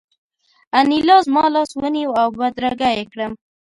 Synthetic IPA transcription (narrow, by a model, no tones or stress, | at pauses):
anilɑzmɑlɑswəniwawbad̪ɾaɡajekɽəm